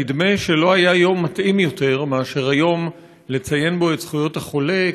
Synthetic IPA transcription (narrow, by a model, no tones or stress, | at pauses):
id̪me̞ʃe̞lo̞ajajo̞mːat̪ʔimjo̞te̞ʁmeaʃe̞ʁajo̞m | le̞t͡saje̞nbo̞etsχujo̞thaχo̞le̞